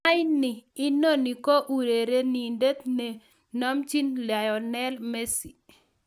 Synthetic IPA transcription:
a˦jnɪː˨˦no˦ni˨ko˦ʔu˨ɾe˨ɾe˦ni˨nde˦t̪ne˨ | nɔ˦mt͡ʃi˦nla˨jɔ˨nɛ˦lme˦si˨

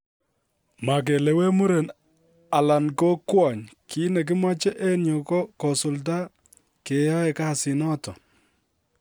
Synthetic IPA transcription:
ma˨k̬e˨le˨we˦mu˦ɾe˨n | a˨la˨nko˦kwa˨ɲkʰi˦ne˨k̬ɪ˦mwa˦t͡ʃɛ˦ʔe˦njo˨kɔ˦kɔ˨sʊ˨lta˦ | ke˨jɔ˦ɛ˨ka˦˨sɪ˨nɔ˦tɔ˨

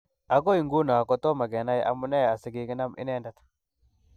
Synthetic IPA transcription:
a˨ɡo˦i˨ŋɡu˦na˨kɔ˨t̪o˦ma˨ɡe˨na˦jʔa̰˨mu˦na˦ja˨sɪ˨ɡi˨ɡi˦na˦mʔḭ˦ne˦nda˦t̪ḁ

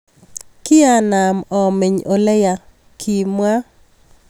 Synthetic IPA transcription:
kɪ˦a˦˨na˨mɔ˨me˨ɲo˨lɛ˦ja˨ | kʰi˨mwa˦

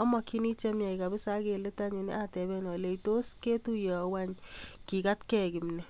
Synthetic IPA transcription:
ɔ˦mɔ˨ki˦ni˦t͡ʃɛ˦mja˨ika˨bɪ˦sa˦ke˨le˦ta˦ɲu˨nḛ˦ʔa˦tɛ˨bɛ˦nɔ˨le˨ito˦ske˦tu˦jɔ˨wa˦ɲki˨ka˦tkɛ˨kɪ˨m˨nɛ˨

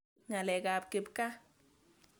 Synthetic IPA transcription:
ŋa˨le˨ɡa˨p̚ke˨bka˦

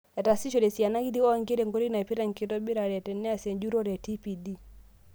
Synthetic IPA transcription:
ɛ˨ta˨si˦ʃɔ˨ɾɛ˨si˨a˨na˦ki˦di˦ɔ˦˨ŋɡe˦ɾɛ˨ŋɡo˦ɾi˦na˨ɛ˨pi˦ɾa˦ŋ˨ki˨tɔ˦bi˦ɾa˨ɾɛ˨tɛ˨nɛ˦a˦˨sɛ˨ɲd͡ʒu˦ɾɔ˦ɾɛ˨ti˦pi˨di˦

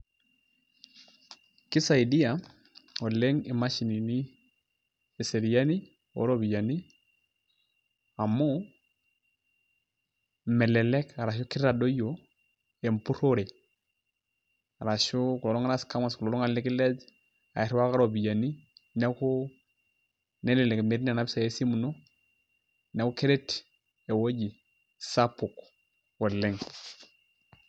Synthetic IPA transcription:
kɪ˦sa˨i˨di˦a˨ | ɔ˨lɛ˦ŋɪ˨ma˦ʃi˨ni˨ni˦ | ɛ˨se˨ɾi˨ja˦ni˦ | o̰˨˦ɾo˦bi˨ja˨ni˦ | a˨mo˦ | mɛ˨lɛ˨lɛ˦ka˨ɾa˨ʃ̬ɔ˦kɪ˦ɾɾa˨do˦jo˨ | ɛ˨m˨pu˦ɾo˦ɾe˨ | a˨ɾa˨ʃo˦ku˨lɔ˨lɔ˦ŋa˦ɾa˦ska˦ma˨sklɔ˨lɔ˦ŋa˨lɪ˦ki˦lɛ˦d͡ʒ | a̰˨ɛ˨ɾwa˦ka˦ɾo˨bi˨ja˨ni˦ne˦ko˦ | nɛ˦lɛ˨lɛ˨kme˨˦ɾi˦n˦a˨na˦bsa˨je˦si˦mu˨no˦ | nɛ˦ku˦ke˦ɾɛ˦t | e˨wo˦ɟi˨ | sa˦pu˨k | wɔ˨lɛ˦ŋ

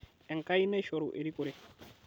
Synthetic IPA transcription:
ɛ˨ŋka˦i˦nɛ˦ʃɔ˨ɾu˨ʔe˨ɾi˦ko˨ɾe˦

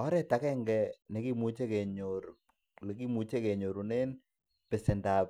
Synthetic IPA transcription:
ɔ˦ɾɛ˦ta˨kɛ˦ŋɡɛ˨nɛ˨ki˦mu˦t͡ʃe˦kɛ˨ɲoɾ | le˨ki˦mu˨˦t͡ʃe˦kɛ˨ɲo˨ɾu˨ne˦n | pɛ˨sɛ˨nda˨p

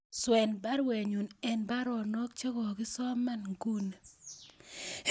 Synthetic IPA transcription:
swɛ˨nba˦ɾwe˨ɲu˨nɛ˨nba˦ɾɔ˨nɔ˦k̚t͡ʃe˦ɡɔ˨ɡɪ˦sɔ˦ma˦˨nŋɡu˦n˨

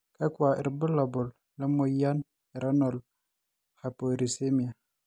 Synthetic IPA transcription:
ka˦kwa˨ʔḭ˨ɾbu˦la˨bo˨lːə˦mo˦ja˦n | i˨ɾa˦no˨l | ha˨po˨ɾi˨se˦mi˨a˨

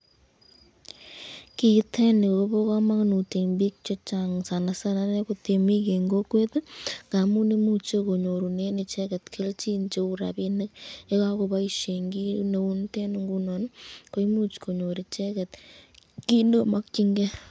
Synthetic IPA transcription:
ki˨˦t̪ʰɛ˦ne˨ko˨ko˦bo˦ka˦ma˦knu˨te˨ŋbi˦k̚t͡ʃɔ˦t͡ʃa˨ŋsa˨na˨sa˦na˦ne˦ko˦t̪e˨mi˦ke˨ŋɡo˦kwe˦t̪ŋɡa˨mu˦ne˦mu˦t͡ʃo˦ko˨ɲo˨ɾu˨ne˦ne˨t͡ʃɛ˦kɛ˨t̪kʰe˦lt͡ʃi˦nt͡ʃe˦u˦˨ɾa̰˨bi˦nɪ˦ke˦ka˦ko˧βa˦i˦ʃe˨ŋɡi˦ne˨u˦nte˦nuŋɡu˦nɔ˨nko˦i˦mu˦t͡ʃko˨ɲo˨ɾe˨t͡ʃɛ˦kɛ˨t̪ki˦no˦ma˦k̚t͡ʃi˦ŋɡe˦

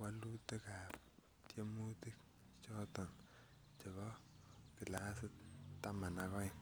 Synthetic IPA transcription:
wa˦lu˦te˦ka˨p | tje˦mu˦ti˦k̚ | t͡ʃɔ˦tɔ˨n | t͡ʃe˨kɔ˦ki˨la˦sɪ˦t̚ta˦ma˨na˨kɔ˦ɪ˨n

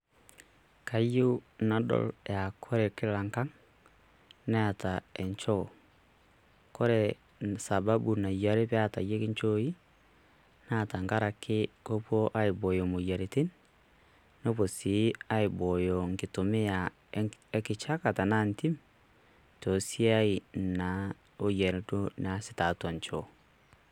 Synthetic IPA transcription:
ka˨jo˦na˨dɔ̰˦lja˨kʰɔ˦ɾɛ˨ke˦ɾa˨ŋka˦ŋ | na˦a˨taɛ˨ɲt͡ʃɔ˦ | kɔ˦ɾɛ | sa˨ba˦bu˨na˨jaɾe˦βja˦ta˨je˦ke˦ɲt͡ʃoi˦ | na˦ta˨ŋɡa˦ɾa˨kʰe˦ko˦po˦ʔa˦i˨bo˨jo˨mo˨ja˨ɾe˨ti˦n | no˦βo˨si˨˦a˦i˨bɔ˨jɔ˨ŋki˨to˨me˦a˨ | e˦ki˨t͡ʃa˦ka˨ta˨na˦nti˦m | to˨si˦a˦i˨na˨ | o˦je˨ɾe˨do˦na˦si˨ta˨twa˨ɲt͡ʃɔ˨

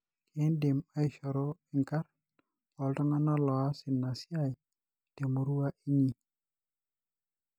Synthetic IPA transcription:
kʰe˦nde˨ma˦i˦ʃɔ˨ɾo˦ɪ˨ŋka˦ɾ | ɔ˨ltɔ˦ŋa˦nɔ˦lɔ˨a˦sɪ˨nːa˨si˦a˦i˨ | d̥e˨mo˨ɾu˦a˦ʔi˦ɲi˦

